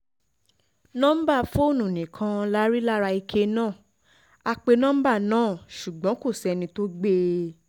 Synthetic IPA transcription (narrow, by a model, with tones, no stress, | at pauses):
nɔ̃˦m̩˦ba˦˨fo˦˨nũ˨nĩ˨kʰã˧la˦ɾi˦la˦ɾa˧i˧kʰe˧nãː˦˨ | a˧k͡pe˧nɔ̃˦m̩˦ba˦˨nãː˦˨ʃu˨ɡ͡bɔ̃˨˦ko˦˨sɛ˧nĩ˧to˦ɡ͡be˦